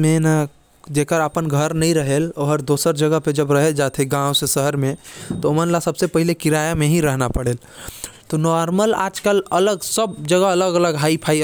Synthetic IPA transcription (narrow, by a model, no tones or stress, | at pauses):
mẽna | d͡ʒeːkəɾəpənɡʱəɾnəɦĩɾəɦeːloɦəɾd̪oːsəɾd͡ʒəɡəɦped͡ʒɐbɾɐɦeld͡ʒaːt̪ʰeɡãːwsesəɦəɾmẽt̪omənlasɐbsepəɦɪlekɪɾaːjamẽɦĩɾəɦnapəɽeːl | t̪onɔːɾməla̰ːd͡ʒkəlɐləɡsəb̚d͡ʒəɡəɐləɡɐləɡɦaːipʰaːi